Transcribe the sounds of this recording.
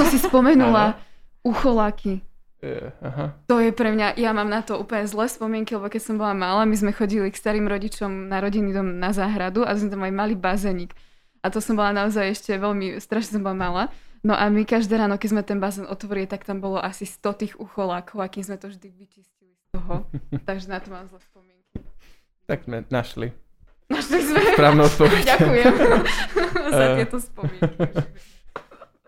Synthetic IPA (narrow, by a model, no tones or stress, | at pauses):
ɔsispɔmɛnulauxɔlaːkʰi | ɦt̪ɔjɛpɾɛmɲaʔjamaːmnat̪ɔuːpl̩ɲɛzlɛːspɔmɪɛŋkilɛbɔkɛcsɔmbɔlamalaːmizmɛxɔɟilikst̪aɾiːmɾɔɟit͡ʃɔmnaɾɔɟinid̪ɔmnazaːɦɾad̪ua̰zmɛt̪amajmaliːbazɛːɲiːk | at̪ɔsɔmbɔlanaɔzajɛʃcɛʋɛʎmist̪ɾaʃɲɛs̬ɔmbɔlamalaːnɔʔamikaʒd̪ɛːɾaːnɔkɛzmɛt̪ɛnbazɛːnʔɔt̪ʋɔɾilit̪akt̪ambɔlɔʔasist̪ɔt̪iːɣuxɔlaːkʰɔʊakiːzmɛt̪ɔʒd̪iʋit͡ʃiscilist̪ɔɦɔt̪aɡʒɛnat̪ɔmamzaspɔmɪɛŋki | t̪aɡzmɛnaʃli | naʃlizmɛpɾaːʋnut̪pɔʋɛdakujɛm | zatɪɛt̪ɔspɔmɪɛk